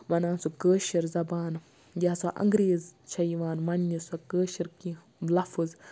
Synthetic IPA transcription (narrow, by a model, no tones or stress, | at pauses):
ʋɐnaːnsukəːʃiɾzɐbaːn | ɡʲaːsɐʔɐ̰ŋɡɾeːzt͡ʃʰɐjʋaːnmɐnːisɐkəːʃiɾki | lɐfɨz